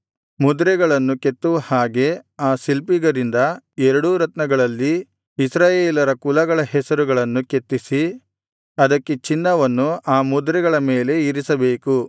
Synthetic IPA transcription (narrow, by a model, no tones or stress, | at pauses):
mud̪ɾɛɡɐɭɐnːuket̪ːuʋɐhaːɡe̞aːsilpiɡɐɾind̪ɐɛɾɐɽuɾɐt̪nɐɡɐɭɐlːi | isɾaːjeːlɐɾɐkulɐɡɐɭɐɦɛsɐɾuɡɐɭɐnːuket̪ːisi | ɐd̪ɐkːe̞t͡ʃinːɐʋɐnːuaːmud̪ɾɛɡɐɭɐme̞ːle̞iɾisɐbe̞ːku